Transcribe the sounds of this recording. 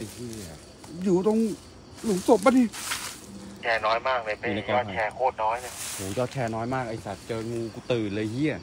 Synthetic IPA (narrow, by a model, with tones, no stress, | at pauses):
ʔa˧jhi˧˩˨ | juː˨˩t̪o˧ŋ | lu˨˦ŋso˨˩p̚ma˧˥ni˧˩ | t͡ɕʰɛː˧˩nɔː˦˥jmaː˥˩k̚a˧˩pe˨˧˨na˧kɔ˧ɔː˧˩˧kʰɛː˧˩kʰoː˥˩t̪̚nɔː˦˥jlɤ˧˩hʰuː˨˩˦jɔː˧˩t̪̚kʰɛː˧nɔː˦˥jmaː˥˩k̚ʔa˧jsa˨˩t̪̚t͡ɕɤː˧ɲuː˧ku˧˩t̪ɯː˨˩lɤː˧jhi˧˩ə